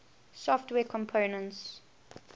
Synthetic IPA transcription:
sɔftwɛːkʰɔ̃mpʰoʊnə̃nts

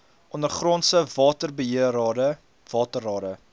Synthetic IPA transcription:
ʔɔnərχrɔnsəvɑːtərbəɦiəɾɑːdə | vɑːtərɑːdə

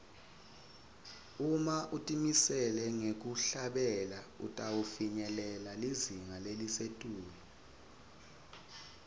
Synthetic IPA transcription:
umaʔutʼimisɛlɛŋek̬ʼuɬaɓɛlaṵtʼawufiɲɛlɛlaliziŋalelisetʼuːliɔ

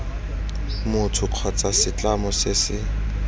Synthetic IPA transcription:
mʊtʰʊq͡χʰɔt͡sasɪt͡ɬamɔsɪsɪ

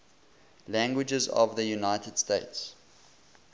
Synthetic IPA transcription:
læ̃ŋɡwɪd͡ʒəzɔ̰vðəjunaɪtəd̥steɪts

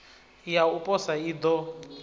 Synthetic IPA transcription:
jaupʼɔsaid̪ɔ

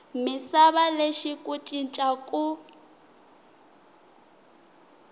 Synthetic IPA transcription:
mɪsaβaleʃikʼutʼint͡ʃʼakʼu

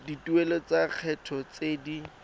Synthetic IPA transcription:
dituelɔt͡saq͡χʰɛtʰɔt͡sedi

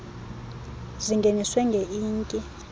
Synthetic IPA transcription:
ziŋɡʱeniswɛŋɡʱeʔiːŋkʼi

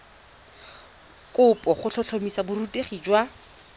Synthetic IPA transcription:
kʼʊpʼɔχʊt͡ɬʰɔt͡ɬʰomisabʊruteχiːd͡ʒwa

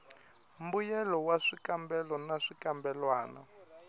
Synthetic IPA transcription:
mbujɛlɔwaʂikambɛlɔnaʂikambɛlwaːna̰

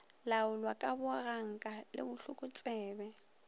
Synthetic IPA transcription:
laʊlwakʼabʊɣaŋ̩kʼalɪ̰bʊɬʊkʼʊt͡sʼɛːbɛ

